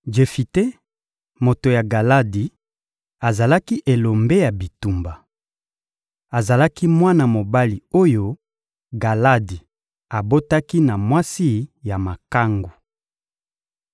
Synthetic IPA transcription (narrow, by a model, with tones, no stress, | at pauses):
d͡ʒe˨fi˨te˦ | mo˨to˨ja˨ɡa˨la˦di˨ | a˨za˨la˦ki˦ʔe˨lo˨mbe˦ja˨bi˨tu˨mba˨ | a˨za˨la˦ki˦mwa˦na˨mo˨ba˦li˨o˦jo˦ | ɡa˨la˦di˨ | a˨bo˦ta˦ki˦na˨mwa˦si˦ja˨ma˨ka˦ŋɡu˨